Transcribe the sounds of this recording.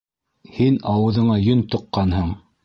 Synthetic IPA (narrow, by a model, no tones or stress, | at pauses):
hinɑwɤ̆ðɤ̆ɴɑjɵnt̪ŏqːɑnhɤɴ